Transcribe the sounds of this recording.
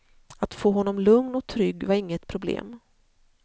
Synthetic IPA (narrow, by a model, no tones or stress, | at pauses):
at̪foːɦɔnːɔmlɵŋnɔk̚t̪ʰɾʏɡːvaɾɪŋːət̪pʰɾʊblḛːm